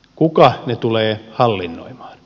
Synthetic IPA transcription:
kukɑnet̪uleːhɑlːinːo̰imɑ̥ːn

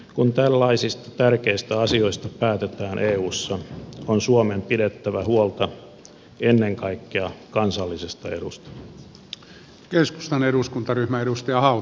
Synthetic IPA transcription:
kunt̪ælːɑisist̪ɑ̥t̪ærkeist̪æɑsio̞ist̪ɑpæːt̪et̪æːnʔeːuːsːɑonsuomempidet̪ːæʋæhuolt̪ɑ | enːeŋkɑikːeɑkɑnsɑlːisest̪ɑe̞̰dust̪ɑ̥ | kesku̥st̪ɑneɾuskunt̪ɑryhmæeɾust̪ɑjɑhɑu

